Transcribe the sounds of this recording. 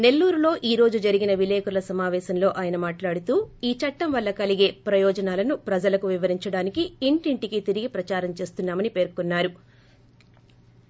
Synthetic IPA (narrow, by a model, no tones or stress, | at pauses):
ne̞lːuːɾulo̞ːʔiːɾo̞ːd͡ʒud͡ʒɐɾiɡinɐʋileːkuɾlɐsɐmaːʋɛːʃɐmlo̞ːʔaːjɐnɐmaːʈlaːɽut̪uːiːt͡ʃɐʈːɐmʋɐlːɐkɐliɡe̞ːpɾɐjɔːd͡ʒɐnaːlɐnupɾɐd͡ʒɐlɐkuʋiʋɐɾiɲt͡ʃɐɽaːnikiːɳʈiɳʈikit̪iɾiɡipɾɐt͡ʃaːɾɐmt͡ʃe̞ːst̪unːaːmɐnipe̞ːɾkunːaːɾu